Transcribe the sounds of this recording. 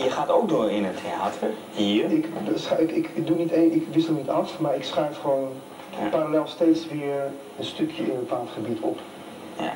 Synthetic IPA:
jəχaːtowk̚dʊːɹɪnətʰea̰ːtʰəɹ | ɦiːɹɪkəsɪkɪk̚dunitenɪkʋɪsəlˠnitɑfmaːɹɪksχɛɥfχəʋown | paɾalɛlˠstejtsʋɪːɹ | ənstɵkʰjəɪnbəpaːlˠtχəbitʰɔ̰p | ja

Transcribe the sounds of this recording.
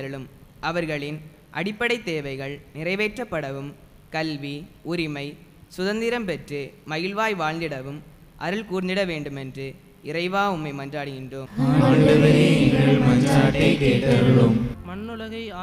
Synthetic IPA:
ɐɾɯɭɯmʔɐʋɐɾɣɐɭɪn | ʔɐ̰ɽɪpːɐɽɐɪt̪ːeːʋɐɪɣɐɭnɪrɐɪʋeːʈrɐpːɐɽɐʋɯm | kɐlʋiʊɾɪmɐɪsʊðɐnd̪ɪɾɐmpɛʈrɯmɐɣɪlʋaːjʋaːɭnd̪ɪɽɐʋɯm | ʔɐɾɯɭkuːɾnd̪ɪɽɐʋeːɳɖɯmɛndrɯ | ɪrɐɪʋaːʊmːɐɪmɐndraːɽɯɣɪndroːmɐɐɣɐeɪŋɡɐɭmɐnaːʈːikeːʈːɐɾɐɾommɐnːɯlɐɣɐɪː

